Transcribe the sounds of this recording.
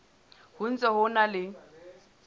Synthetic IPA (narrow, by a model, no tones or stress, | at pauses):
hʊn̩t͡sʼɛhʊnalɪ